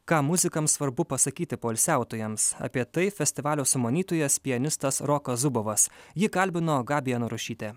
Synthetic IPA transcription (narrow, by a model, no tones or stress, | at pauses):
kɑːmʊzʲɪkɐmsʋɐɾbʊpɐsɐkʲiːt̪ʲɪpoːlʲsʲæˑʊt̪oːjɛmsɐ̰pʲiɛt̪ɐɪfʲɛsʲt̪ʲɪʋɑːlʲoːsʊmoːnʲiːt̪oːjɛspʲɪjɛnʲɪst̪ɐsɾɔːkɐsʊboːʋɐsjɪkɐlʲbʲɪnoːɡɑːbʲɪjɛnʊɾʊʃʲiːt̪ʲɛ